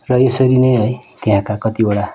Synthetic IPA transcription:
rʌesʌɾinʌjɦʌjt̪eɦãkakʌt̪ioɽa

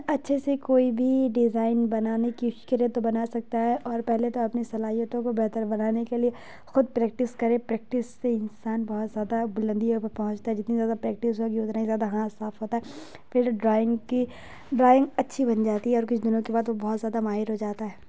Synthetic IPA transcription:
ɐtːʃʰesekoːibʱiɖɪzaːɪnbɐnaːnekikɐɾẽt̪obɐnaːsɐk̚t̪aɦɛʔɔːɾpɛɦlet̪oɐpnesɐlaːɦijət̪õkobɛɦt̪əɾbɐnaːnekelie | xʊd̪̚pɾɛːk̚ʈɪskɐɾẽpɾɛːk̚ʈɪsːeɪnsaːnbɔɦt̪zjaːd̪abʊlə̃nd̪iɦopɐpɐɦʊ̃t͡ʃt̪aɦɛd͡ʒɪt̪nizjaːd̪apɾɛːk̚ʈɪsɦokiʊt̪naizjaːd̪aɦãːsaːfɦoːt̪aɦɛ | fɪɾɖɾaːɪ̃ŋɡki | ɖɾaːɪ̃ŋɡɐtːʃʰibɐnd͡ʒaːt̪iɦɛɔːɾkʊt͡ʃʰd̪ɪnõkebaːd̪ʋobɔɦːt̪zjaːd̪amaːɦɪɾɦod͡ʒaːt̪aɦɛː

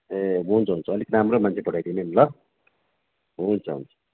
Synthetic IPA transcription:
eɦunt͡sʰʌɦunt͡sʰʌːliknɦamromant͡sʰepʌɽajd̪inenlʌ | ɦunt͡sʰʌɦṵnt͡sʰʌ̥

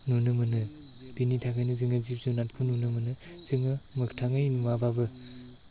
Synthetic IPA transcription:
nunɯmɯnɯ | b̥initʰakʰajnɯzɯŋɯzip̚zunat̚kʰununɯmɯnɯ | z̥ɯŋɯmɯkʰtʰaŋɯjnuwababɯ

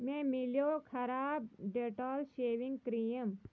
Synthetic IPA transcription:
mẽːmɪljoːkʰɐɾaːb̚ɖeʈɔːlʃeːʋɪ̃ŋɡkɾijəm

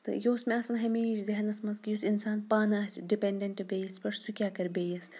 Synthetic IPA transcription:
t̪ɨ̰joːsmeɐsɐnɦɐmeːʃzɐɦɐnɐsmɐnzkijusinsaːnpaːnɨɐsʲɖipʲeɳɖʲɐɳʈɨbeːjɐsʲpɐʂsukʲaːkɐɾʲbeːjɐs

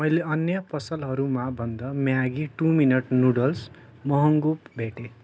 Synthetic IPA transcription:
mʌjleʌnjʌpʌsʌlɦʌɾumabʱʌnd̪ʌmjaɡiʈuminʌʈnuɽʌls | mʌɦʌŋɡupbʱeʈe

